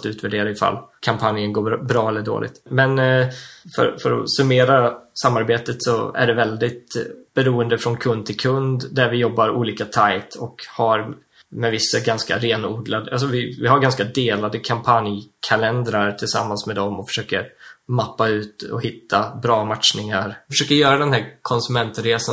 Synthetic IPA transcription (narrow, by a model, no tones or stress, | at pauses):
t̪ʉ̟ːt̪ʰvæɖeːɾaɪfa̰lːkʰampʰanjənɡoːbɾɑːɛlːəɖo̰ːlɪ̰ɡ̚t̪mɛn | fœ̰ɾfœɾɔ̰sɵmeːɾasamːaɾbeːt̪ət̪sɔæ̰ɖɛvɛld̪ɪt̪b̥ɛɾuːənd̪əfɾɔnkʰɵnd̪̚t̪ʰɪlkʰɵnd̪d̪æɾvɪjɔbːaɾṵːliːkat̪ʰaɪt̪ʰɔkhaɾ | mɛvɪsːaɡanska̰ɾeːnuːd̪lad̪əʔals̬ɔvɪvɪɦaɾɡanskad̪eːlad̪əkʰampʰanjkʰalɛnd̪ɾaɾʈ̪ʰɪlsa̰mːansmɛd̪ɔmɔfœ̥ʂøːkə̰ɾmapːaʉ̟ːt̪ɔ̰hɪt̪ʰːabɾɑːmat̪ʂnɪŋaɾfœʂøːkəɾjœːɾad̪ɛnhæɾkʰɔnsɵmɛnt̪ɾeːsa